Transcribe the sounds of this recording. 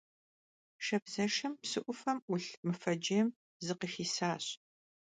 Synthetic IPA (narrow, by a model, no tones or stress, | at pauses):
ʃɐbzɐʂɐmpsɨʔʷʊfɐmʊɬmɨfɐd͡ʒijm | zɨqixiːsaːɕ